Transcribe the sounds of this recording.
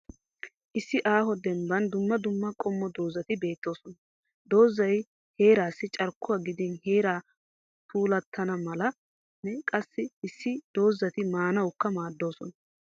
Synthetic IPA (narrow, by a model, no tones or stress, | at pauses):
ʔɪsːɪʔaːhɔd̪ɛmbɐnd̪ʊmːɐd̪ʊmːɐkʼɔmːɔd̪o̞ːzɐt̪ɪbe̞ːt̪ːo̞ːsɔnɐ | d̪o̞ːzːɐj | he̞ːɾaːsːɪt͡ʃʼɐɾkːʊwaɡɪd̪ɪnheːɾaː | t̪ʰuːlɐt̪ʰːɐnɐmɐlɐ | nɛkʼɐsːɪɪsːɪd̪̥o̞ːzːɐt̪ɪmaːnɐwkːɐmaːd̪ːo̞ːsɔnɐ